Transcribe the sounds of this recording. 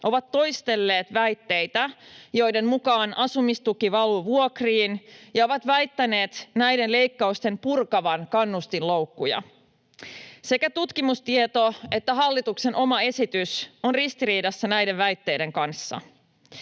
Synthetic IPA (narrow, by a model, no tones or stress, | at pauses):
ʔo̞ʋɑt̪ːo̞jst̪e̞lːe̞ːt̪ʋæjt̪ːe̞jt̪æjo̞jde̞mmukɑːnʔɑsumist̪ukiʋɑluʋuokriːnjɑo̞ʋɑt̪ʋæjt̪ːæne̞ːt̪næjde̞nle̞jkːɑust̪e̞mpurkɑʋɑnkɑnːust̪inlowkːujɑ̰ | se̞kæt̪ut̪kimust̪iet̪o̞e̞t̪ːæɦɑlːit̪ukse̞nʔo̞mɑe̞sit̪yso̞nrist̪iɾiːdɑsːænæjdeʋʋæjt̪ːe̞jde̞ŋkɑnsːɑ̰